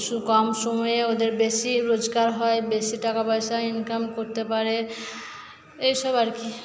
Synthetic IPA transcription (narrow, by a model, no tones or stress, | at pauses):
sukɔmsomɔeod̪eɾbesiɾod͡ʒɡaɾɦɔebesiʈakapɔjsainkamkoɾt̪epaɾe | ejʃɔbaɾki